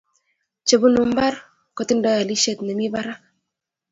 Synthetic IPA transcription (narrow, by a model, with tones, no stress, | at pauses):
t͡ʃe˨bu˦nu˨m̩˦ba˦ɾ | kɔ˦˨tɪ˦n˦dɔ˦ja˨li˦ʃe˦˨tne˨mi˦ba˦ɾa˦